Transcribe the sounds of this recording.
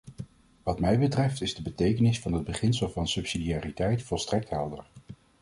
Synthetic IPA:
ʋɑtmɛjbətrɛftɪzdəbətejkənɪsfɑnɦəd̚bəχɪnsəlˠvɑnsɵpsidiaːritɛjtfɔlˠstrɛk̚tɦɛlˠdə̰ɹ

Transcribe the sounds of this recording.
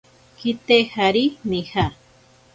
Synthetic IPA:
kit̪ehaɾiniha

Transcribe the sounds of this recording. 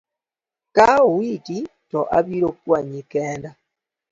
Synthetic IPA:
kauwititoʔaβiɾokwaɲikeːnda

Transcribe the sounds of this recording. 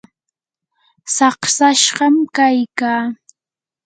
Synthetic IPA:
sɑχsaʃɢɑmkajkaː

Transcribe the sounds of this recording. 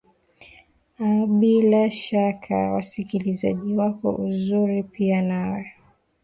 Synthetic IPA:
aɓilaʃakʰa̰wa̰sikiliza̰ʄiwakɔ̰ʔuzuɾipianawɛ

